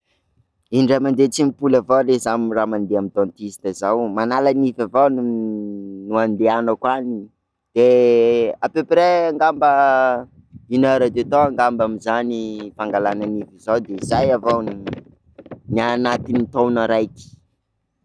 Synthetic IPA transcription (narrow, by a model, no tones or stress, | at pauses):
inɖ͡ʐamand̪et͡simipulavawlezamramand̪eamid̪ɔ̃nt̪isi̥t̪əzawmanalanifavawn | nuand̪eanəkwani | d̪̥e | apepɾɛaŋɡambə | inaɾad̪et̪oaŋɡambamizanifaŋɡalananivizawd̪eizajavawn | nianat̪init̪ownaɾajki̥